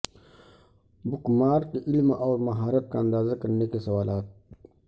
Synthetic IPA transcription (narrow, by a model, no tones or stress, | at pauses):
bʊkmaːɾkeʔɪlmɔːɾmɐɦaːɾət̪̚kaɐ̃nd̪aːzakɐɾnekesɐwaːlaːt̪̚